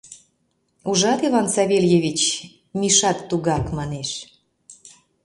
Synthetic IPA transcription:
uʒɑt̪iβɑnsɑβʲeljevʲit͡ɕ | mʲiʃɑt̪ːuɣɑkmɑneʃ

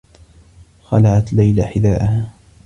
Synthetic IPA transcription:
xalaʕat̪lajlaħɪd̪aːʔahaː

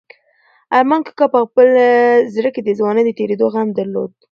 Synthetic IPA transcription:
aɾmɑnkə̥kɑpəxpəlzɾəked̪əzwɑnəd̪ət̪eɾed̪oɣamd̪aɾlo̰d̪

